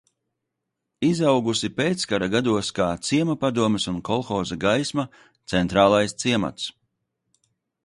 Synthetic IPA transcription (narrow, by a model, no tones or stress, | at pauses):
izawɡusipeːt̪skaɾaɡad̪uɔskaːt̪siɛmapad̪uɔmɪsunkɔlˠxɔːzaɡajsma | t̪sɛnt̪ɾaːlˠajst̪siɛma̰t̪s